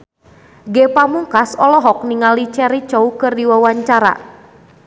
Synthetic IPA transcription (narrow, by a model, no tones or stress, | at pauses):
ɡɛpamuŋkasɔlɔɦɔk̚niŋalit͡ʃɛɾit͡ʃɔukɨrdiwawaɲt͡ʃaɾa̰